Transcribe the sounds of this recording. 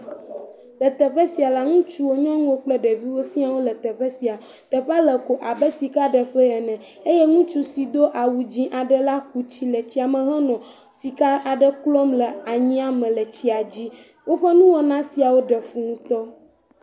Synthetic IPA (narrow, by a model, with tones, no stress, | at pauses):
lə˨t̪ɛ˨ɸɛ˦si˨a˨la˦ŋũ˦t͡ʃu˦wo˦ɲɔ̃˦ŋũ˦wo˦k͡plə˦ɖɛ˨vi˦wo˦sĩ˦a˨wo˦lə˨t̪ɛ˨ɸɛ˦si˨a˨ | t̪ə˨ɸa˦lə˨ko˨ʔa˨bɛ˦si˨ka˦ɖə˨ɸə˦ɛ˨nɛ̃˨ | e˦jɛ˦ŋũ˦t͡ʃu˦si˨d̪o˦ʔa˨wu˨d͡ʑĩ˦ʔa˨ɖə˨la˦ku˦t͡ɕi˦lə˨t͡ɕi˦a˨mɛ̃˨ɦɛ˦nɔ̃˨ | si˨ka˦a˨ɖə˦klɔ˦mlə˨a˨ɲĩ˦a˨mɛ̃˨lə˨t͡ɕi˦a˨d͡ʑi˦ | wo˦ɸɛ˦nũ˦wo˦nã˦si˨a˨wo˦ɖə˨fu˨ŋũ˦t̪ɔ˦